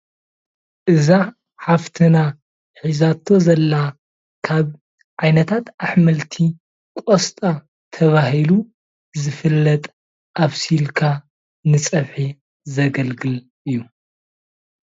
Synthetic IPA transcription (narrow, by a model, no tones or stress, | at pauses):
ʔɨza | ħaft̪ʰɨna | ħizat̪ʰo̞zɐlːa | kʰaβ | ʕajnɐt̪ʰat̪aħmɐlt̪ʰi | kʼost̪ʼa | t̪ʰɐβahilu | zɨfɨlːɐt̪ʼ | ʔaβsilkʰa | nɨt͡sʼɐβħi | zɐɡɐlɡɨl | ʔɨjːu